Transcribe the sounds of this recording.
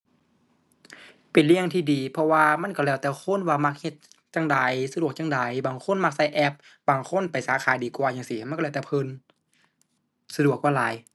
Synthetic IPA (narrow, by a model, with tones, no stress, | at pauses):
pe˨˩nli˧˨əŋt̪ʰiː˧˩diː˨˩pʰɔ˧waː˧ma˧˥˨nkɔ˧˩lɛː˧˩wt̪ɛː˧kʰo˧˥˨nwaː˧˩ma˧k̚he˧t̪̚ | t͡ɕaː˧˩ŋdaː˨˩jsa˧du˨˧˩ək̚t͡ɕa˧˨ŋda˨˩jbaː˨˩ŋkʰo˧˥˨nma˧k̚sa˧˨jʔɛ˧˩p̚ | baː˨˩ŋkʰo˧˥˨npa˨˩jsaː˨˦kʰaː˨˦jdiː˨˩kwaː˨˧jaː˧˩˨ŋsi˧˩˨ma˧˥˨kːt̪ːpʰɤː˧˥˨n | sa˧du˨˩ək̚waː˧˩laː˨˦j